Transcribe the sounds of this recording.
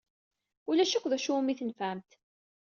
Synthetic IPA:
ulæʃækʷːðæʃumiθənfæmt̪

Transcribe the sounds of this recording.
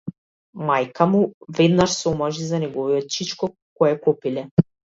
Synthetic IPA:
majkʰamuvɛd̪naʃsɔmaʒizanɛɡɔvijɔt̪̚t͡ʃit͡ʃkɔ | kːɔjɛkɔpilɛ

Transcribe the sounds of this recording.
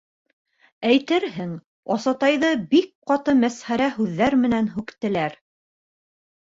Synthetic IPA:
æjt̪ɘɾɦɘŋ | ɑsɑt̪ɑjðɤbik̚qɑt̪ɤmæsχæɾæɦʉðːæɾmɘ̆nænɦʉkt̪ɘ̆læɾ

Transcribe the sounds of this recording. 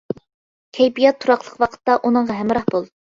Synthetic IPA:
kʲʰɛjbijɑt̪ʰːuɾɑqlˠəqwɑqʰə̥t̪ːɑʔunəɴʁɑɦæmɾɑhbolˠd̪

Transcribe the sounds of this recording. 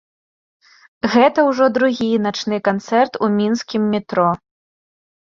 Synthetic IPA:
ɣɛt̪ɐwʐɔd̪ɾuɣʲinat͡ʂnɨkant̪sɛrt̪umʲinskʲimːʲit̪ɾɔ

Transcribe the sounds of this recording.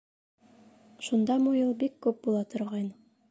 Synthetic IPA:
ʃund̪ɑmujɤlˠbikːʉp̚bulˠɑt̪ŏɾʁɑjn

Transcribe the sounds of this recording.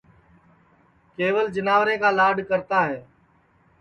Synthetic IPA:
keːʋəld͡ʒənaːʋɾẽːkaːlaːɖkəɾt̪aːɦeː

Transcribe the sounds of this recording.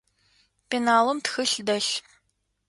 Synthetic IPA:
penaːlɔmtxɨɬdɐɬ

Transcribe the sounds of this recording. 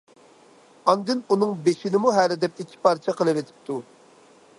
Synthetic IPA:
ɑnd̪ɪnunɨŋbeʃɪnɪmuɦælɪd̪ɛp̚ikʲʰːi̥pʰɑɾt͡ʃʰɛqʰəlˠɨvet̪ʰɪ̥p̚t̪ʰu

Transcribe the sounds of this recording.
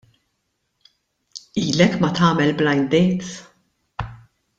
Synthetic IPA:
iːlɛkmɐt̪ɐːmɛlblɐjnd̪ɛjt̪

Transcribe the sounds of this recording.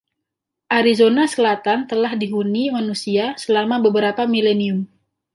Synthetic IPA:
ʔaɾizonasəlat̪ant̪əlahdiɦunimanusiasəlamabəbəɾapamileniʊm

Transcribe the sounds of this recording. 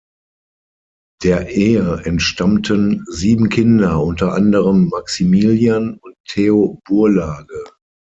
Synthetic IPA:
d̥eːɐʔeːəʔɛntʃtamtʰənziːbm̩kʰɪndɐʔʊntɐʔa̰ndəʁəmːaksimiːljanʊnttʰːeob̥uɐlaːɡə

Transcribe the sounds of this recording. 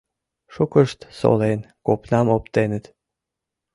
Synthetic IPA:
ʃukɨʃt̪so̰len | kopnʲɑmopt̪enɘt̪

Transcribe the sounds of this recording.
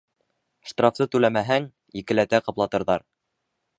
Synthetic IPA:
ʃt̪raft̪ɤt̪ʉlæmæɦæŋ | jɘ̆kɘ̆læt̪æqɤ̆plˠɑt̪ɤ̆ɾðɑɾ

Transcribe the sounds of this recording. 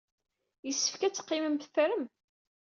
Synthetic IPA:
jəsːə̥fkæt͡sːə̥qːiməmθfɾəm

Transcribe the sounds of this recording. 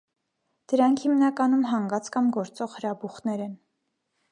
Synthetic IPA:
d̪̥əɾɑŋkʰhimnɑkɑnumɦɑŋɡɑt͡skɑmɡɔɾt͡sɔʁhəɾɑbuχnɛɾɛn

